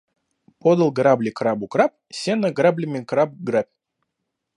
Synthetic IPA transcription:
pod̪əlˠɡɾablʲɪkɾabʊkɾap̚ | sʲenəɡɾablʲɪmʲɪkɾap̚ɡɾapʲ

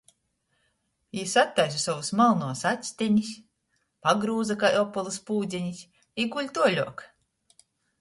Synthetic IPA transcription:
isat̪ːajs̬usavusmalˠnuɔsat̪ʲsʲt̪ʲiɲisʲ | paɡɾuːzakajɔpːɔlˠuspuːd̪zʲɛɲisʲ | iɡulʲt̪uɔlʲuɔk

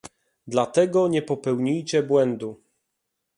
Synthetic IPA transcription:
d̪lat̪ɛɡɔɲɛpɔpɛwɲijt͡ɕɛbwɛnd̪u

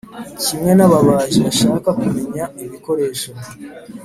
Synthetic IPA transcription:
cimŋe̞naβaβaːʒeaʃaːkakume̞ɲaiβiko̞ɾe̞ːʃo

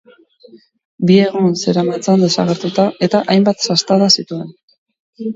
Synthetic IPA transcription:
bie̞ɣ̞unse̞ɾamat͡sand̪e̞sa̰ɣe̞ɾt̪ut̪ae̞t̪aʔajmbat̪sast̪aðasit̪ue̞n

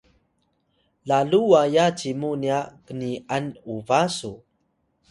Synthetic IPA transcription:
laluajat͡ɕimuniakəniʔanuvasu

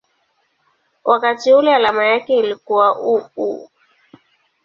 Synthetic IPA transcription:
wʔakatiulɛalamajakɛilikuwaʔukṵ

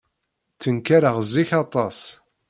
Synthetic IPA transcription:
t͡sːənkaɾəʁziçɑt̪ˤɑsˤ

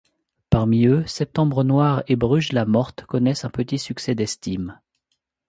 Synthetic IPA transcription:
paʁmiøsɛp̚t̪ɑ̃bʁənwaʁebʁyʒlamɔʁt̪kɔnɛsɛ̃pət̪isyksɛd̪ɛst̪im

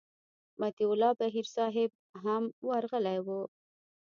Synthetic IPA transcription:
mat̪iʊlɑbaɦiɾsɑɦɪb̚ɦamwaɾɣəlajwu

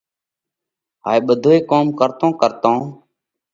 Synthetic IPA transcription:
ɦaːiːɓəd̪ʱoːeːkoːmkəɾt̪õːkəɾt̪õː

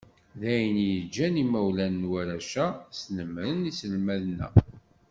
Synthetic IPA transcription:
ðæjənjəd͡ʒːænimæwlænːwæɾæʃæsnəmɾənisəlmæðnːæ̰

